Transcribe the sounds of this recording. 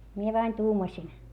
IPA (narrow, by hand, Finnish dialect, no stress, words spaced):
mie ʋɑin tuːmɑsʲin